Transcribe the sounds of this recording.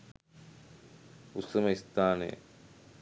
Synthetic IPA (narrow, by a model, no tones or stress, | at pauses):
usɐmɐist̪aːnḛ